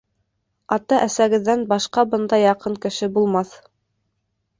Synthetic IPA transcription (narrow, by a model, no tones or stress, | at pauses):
ɑt̪ɑʔæsæɡɘ̆ðːænbɑʃqɑbɤnd̪ɑjɑqɤŋkɘ̆ʃɘbulˠmɑθ